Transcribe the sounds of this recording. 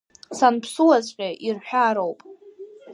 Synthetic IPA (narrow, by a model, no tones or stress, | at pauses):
sanpʰsuazʼqʲʼaʔirħᶣaːɾowpʼ